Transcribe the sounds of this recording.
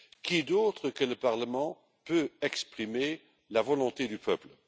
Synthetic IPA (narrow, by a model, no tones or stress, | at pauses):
kid̪oːt̪χəkələpaʁləmɑ̃ | pøɛkspχime | lavɔlɔ̃t̪ed̪ypʰœplə